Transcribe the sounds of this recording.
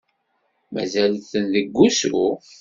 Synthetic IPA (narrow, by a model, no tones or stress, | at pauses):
mæ̰zælθənðəɡʷːusu